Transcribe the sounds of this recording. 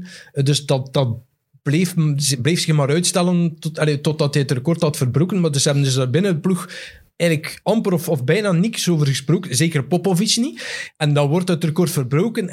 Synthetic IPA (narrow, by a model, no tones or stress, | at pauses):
dɵsdɑt̚dɑt̚ | b̥leːfzbleːfsɪxmaːɾœɥtstɛləntɑletɔt̚dɑtɛətrəkɔrthɑtfərbroːkənmaːdɵsəɦɛbəndɵsdɑbɪnədəplux | ɛɣləkɑmpəɾɔfɔfbɛjnaːniksoːvərɣəsproːkənzeːkərpɔpovisniɛndɑnwɔrtətrəkɔrtfərbroːkən